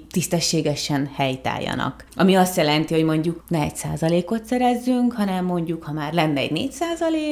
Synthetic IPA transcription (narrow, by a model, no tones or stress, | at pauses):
t̪ist̪ɛʃːeːɡɛʃɛnhɛjt̪a̰ːjːɒ̰nɒ̰k | ɒmiɒst̪jɛlɛnt̪iho̞ɟmo̞ɲɟuknɛɛcsa̰ːzɒleːko̞t̪sɛɾɛzːyŋkhɒnɛmːo̞ɲɟukhɒmaːrlɛnːɛ̰ɟnḛːcsaːzɒleːk